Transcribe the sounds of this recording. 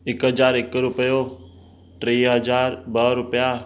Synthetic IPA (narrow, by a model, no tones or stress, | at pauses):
ɪkɦəd͡ʒaːɾɪkɾʊpəjo | ʈɾiːɦəd͡ʒaːɾbəɾʊpja